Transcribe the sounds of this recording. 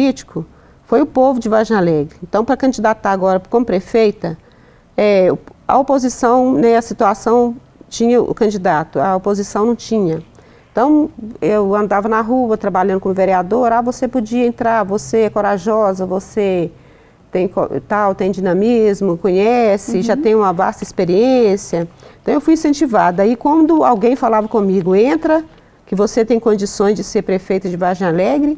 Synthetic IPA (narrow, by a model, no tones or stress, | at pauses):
lit͡ʃi̥kʊ | fojʊpovʊd͡ʒɪvaɾʒãlɛɡɪẽnt̪ɐ̃w̃pɾɐkɐ̃d͡ʒid̪at̪t̪aɾaɡɔɾɐkõmʊpɾefejt̪ɐ | ɛʊɐ̰opozisɐ̃w̃nɛ̃ɐsit̪uasɐ̃w̃ | t͡ʃĩɲɐʔʊ̰kɐ̃d͡ʒid̪at̪ʊɐopozisɐ̃w̃nɐ̃w̃t͡ʃĩɲɐ | ẽt̪ɐ̃w̃ewɐ̃nd̪avɐnɐɦuɐt̪ɾabaʎɐ̃nd̪ʊkõmʊveɾiad̪oɾavosepod͡ʒiɐẽnt̪ɾaɾvoseɛkoɾaʒɔzɐvose | t̪ẽj̃ko̰t̪awt̪ẽj̃d͡ʒinɐ̃mizmʊkõɲɛsɪʒat̪ẽj̃ũmɐva̰st̪ɐispeɾiẽsiɐ̃t̪ɐ̃w̃ewfujĩsẽnt͡ʃivad̪ʊaikwɐ̃nd̪ʊawɡẽj̃falavɐkõmiɡʊẽnt̪ɾɐ | kɪvoset̪ẽj̃kõd͡ʒisõj̃zd͡ʒɪseɾpɾefejt̪ʊd͡ʒɪvaʒẽj̃alɛɡɾɪ